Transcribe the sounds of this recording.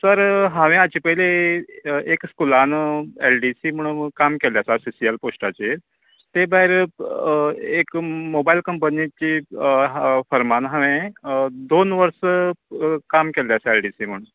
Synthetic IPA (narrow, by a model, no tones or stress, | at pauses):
səɾɦãʋẽat͡ɕipəile | ekskulanelɖisiːm̤əɳ̃ũkamkeljasaɾsisiəlposʈat͡ɕe | t̪ebaɦiɾ | ekmobailkəmpənit͡ɕi | fəɾmanɦãʋẽd̪onʋəɾsə | kamkeljaselɖisiːm̤əɳ̃